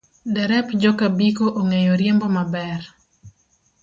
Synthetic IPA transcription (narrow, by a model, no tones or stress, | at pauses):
dɛɾɛpd͡ʒɔkabikoʔoŋejoɾjembɔmabɛr